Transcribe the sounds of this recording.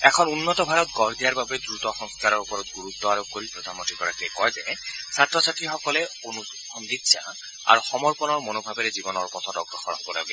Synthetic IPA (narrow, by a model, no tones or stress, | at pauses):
ɛkʰɔnunːɔt̪ɔbʱaɾɔt̪̚ɡɔɾd̪ijaɾbabed̪ɾut̪ɔxɔŋskʰaɾɔopɔɾɔt̪ɡuɾut̪ːɔaɾob̚koɾipɾod̪ʱanmont̪ɾikɔɾakekɔjzɛsatːɾɔsaʈixɔkɔleonu | ɔmd̪it̪ːsʰa̰ | a̰ɾuxɔmɔɹpɔnɔɹmonobʱabeɾed͡ʑibɔnɔɹpɔt̪ʰɔtɔɡɾɔxɔnɔkoɾa̰be